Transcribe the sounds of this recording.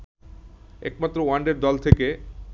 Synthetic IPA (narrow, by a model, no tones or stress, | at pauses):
ɛ̰k̚mat̪ːɾowaɳɖeɾd̪ɔlt̪ʰeke